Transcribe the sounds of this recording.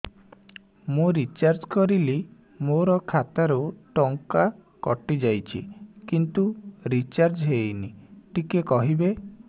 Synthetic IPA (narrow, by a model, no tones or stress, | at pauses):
mũɾit͡ʃaɾd͡ʒkɔɾili | moɾɔkʰat̪aɾuʈɔŋka | kɔʈid͡ʒajt͡ʃʰḭkint̪uɾit͡ʃaɾd͡ʒɦejniʈikekɔɦibe